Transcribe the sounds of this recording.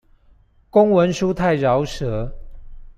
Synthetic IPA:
kʊ˦ŋwə˨˦nʂu˦t̪ʰa˥˨ɪɻɑ˨˦ʊʂɤ˨˦

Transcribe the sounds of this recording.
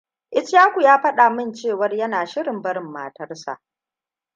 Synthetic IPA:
ʔɪ˦t͡ʃjaː˦kʷu˨jaː˦ɸɐ˦ɗa˨mɪ˦nt͡ʃeː˦˨wɐ˦rjɐ˦naː˨ʃɪ˦ɽɪ˨mbɐ˦ɾɪ˨mːa̰ː˨tɐ˦rsa̰˨ʔ

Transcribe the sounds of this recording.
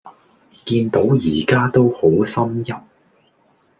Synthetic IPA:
kiː˧nt̪o˨˥wjiː˨˩kaː˥t̪o˥who˨˥wsɐ˥mjɐ˨˩p̚

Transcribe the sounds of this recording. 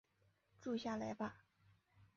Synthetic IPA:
ʈ͡ʂu˥˧ɕja˥˩la˧˥ɪba˧

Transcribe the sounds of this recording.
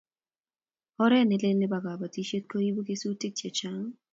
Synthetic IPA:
ɔ˦ɾɛ˦˨nɪ˦lɪ˦nɪ˦ba˨ɡa˨ba˨ti˦ʃe˦t̚ko˦ji˦bo˦ke˦su˦ti˦k̚t͡ʃje˨t͡ʃa˦ŋ

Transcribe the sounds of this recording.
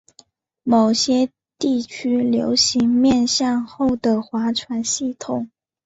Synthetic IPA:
mo˨˩ʊɕjɛ˥ | t̪i˥˩t͡ɕʰy˥ljo̰˧˥ʊɕi˧˥ŋmjɛ˥˧nɕjɑ˥˧ŋxo˥˩ʊd̪ə˩xwa˧˥ʈ͡ʂʰwa˧˥nɕi˥˩t̪ʰʊ˨˩˦ŋ

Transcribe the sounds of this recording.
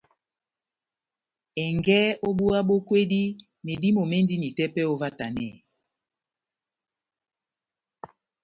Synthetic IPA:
ɛ˨ŋɡɛ˦o˦ɓu˦a˦ɓo˦kwe˦di˦ | ne˨di˦mo˨me˦ndi˦ni˨tɛ˦pɛ˦o˦va˦ta˨nɛ̰˦˨

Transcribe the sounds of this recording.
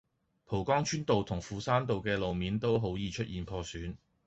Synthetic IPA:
pʰo˨˩wkɔː˥ŋt͡ʃʰyː˥nt̪o˨wt̪ʰʊ˨˩ŋfuː˨saː˥nt̪̬o˨wkɛː˧lo˨wmiː˨˥nt̪o˥wɦo˨˥wjiː˨˧t͡ʃʰɵ˥t̚ʔiː˨npʰɔː˧syː˨˥n

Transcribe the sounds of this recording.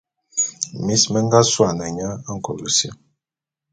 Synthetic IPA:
mi˦smə˦ŋ˦ɡa˦swa˨na˨ɲa˦a˦ŋ̩˨ko˨lu˨sjə˦

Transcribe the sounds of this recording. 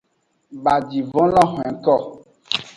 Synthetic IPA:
ba˨d͡ʒi˨vɔ̃˦lɔ̃˦xɛ̃˨˦kɔ˦˨

